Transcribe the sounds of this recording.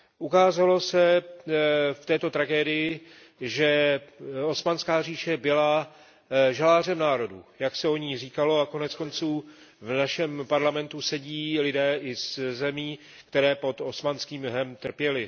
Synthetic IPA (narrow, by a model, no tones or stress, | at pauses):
ʔukaːzalo̞sɛ | ft̪ɛːt̪o̞t̪ɾaɡɛːdɪjɪ | ʒɛ | o̞smanskaːriːʃɛbɪla | ʒalaːr̝ɛmnaːɾo̞dṵjaksɛo̞ɲiːriːkalo̞ako̞nɛt͡sko̞nt͡suːvnaʃɛmpaɾlamɛnt̪usɛɟiːlɪdɛːʔɪzzɛmiː | kt̪ɛɾɛːpo̞t̪o̞smanskiːmɦɛmt̪r̩pjɛlɪ